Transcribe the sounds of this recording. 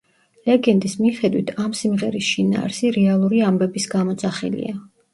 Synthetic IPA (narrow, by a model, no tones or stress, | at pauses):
lɛɡɛnd̪ismiχɛd̪wḭt̪ʰamsimʁɛɾisʃina̰ːɾsiɾɛalˠuɾiambɛbisɡamɔt̪sʰʼaχɛ̰lḭa